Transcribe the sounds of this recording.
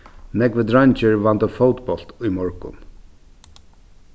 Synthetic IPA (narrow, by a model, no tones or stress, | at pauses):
nɛkʋəd̪ɹant͡ʃəɹʋɑnt̪əfoːt̪bɔl̥t̪ʏːmɔɹkʊ̰n